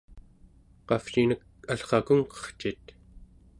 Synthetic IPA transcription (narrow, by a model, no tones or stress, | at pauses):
qɑfʃinək̚ | aɬχɑkuŋqʌ̥χt͡ʃit̪